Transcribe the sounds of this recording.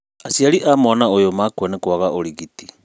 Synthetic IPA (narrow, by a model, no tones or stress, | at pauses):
asialiʔamɔnaojomakuanekwaɣaʔoliɣiti